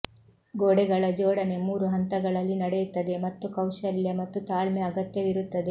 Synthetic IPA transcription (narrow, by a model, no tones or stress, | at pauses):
ɡoːɽɛɡɐɭɐd͡ʒɔːɽɐne̞muːɾuɦɐnt̪ɐɡɐɭɐlːinɐɽejut̪ːɐd̪e̞mɐt̪ːukɐwʃɐljɐmɐt̪ːut̪aːɭmeɐɡɐt̪jɐʋiɾut̪ːɐd̪e